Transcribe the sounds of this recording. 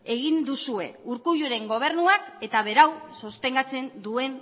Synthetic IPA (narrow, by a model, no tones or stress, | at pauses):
eɣ̞ind̪usue̞̰uɾkuʎuɾe̞ŋɡo̞β̞e̞ɾnuake̞t̪aβ̞e̞ɾawsost̪e̞ŋɡat͡se̞nd̪ue̞n